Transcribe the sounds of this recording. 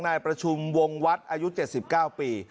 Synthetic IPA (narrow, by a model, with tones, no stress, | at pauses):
ŋnaː˧jpɾa˧t͡ɕʰu˧mwo˧ŋwa˦˥t̪̚ʔaː˧ju˦˥t͡ɕe˨˩t̪̚si˨˩p̚kaː˥˩wpiː˧